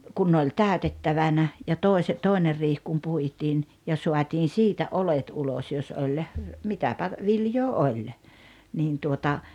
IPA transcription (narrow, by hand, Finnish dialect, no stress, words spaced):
kun ne olʲ tæˑøtetːɑʋɑnɑ jɑ toˑise toˑiner riːh kum puitiːn jɑ suɑtiːn siːtæ ʔolet ulos jos olʲ mitæpæ ʋiljoː olʲ niːn tuotɑ